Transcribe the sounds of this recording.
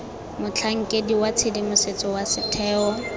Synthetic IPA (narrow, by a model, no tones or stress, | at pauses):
mʊt͡ɬʰaŋ̩kʼediwat͡sʰedimʊset͡sʼɔwasɪtʰɛːɔ